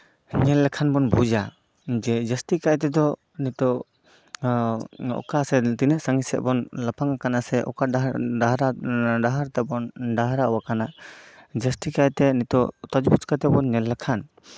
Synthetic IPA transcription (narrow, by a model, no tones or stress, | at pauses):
ɲɛlːɛkʰanbɔnbud͡ʒa | d͡ʒɛd͡ʒəsʈikaʔt̪ɛd̪ɔ | nit̪ɔ | ɔ̰kasɛt̪inɛʔsaŋisɛ̰ʔ̚bɔnlapʰaŋakanasɛʔɔ̰kaaaɦɾaɖaɦaɾt̪ɛbɔnɖaɦɾaɔwakanaʔd͡ʒəsʈikajt̪ɛnit̪ɔt̪ɔd͡ʒbut͡ʃkat̪ɛbɔnɲɛlːɛkʰan